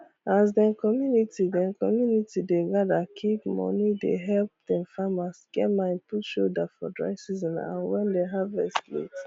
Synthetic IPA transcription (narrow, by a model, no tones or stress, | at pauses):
as̬dɛ̃mkɔmjunitidɛ̃nkʰɔmjunitideɡadakʰiɡmɔ̰nidḛɦɛlp̚dɛ̃mfamasɡ̥ɛmãɪ̃nputʃodafɔ̰dɹa̰ɪsizɔ̃nã̰nwɛ̃ndeɦavɛslḛt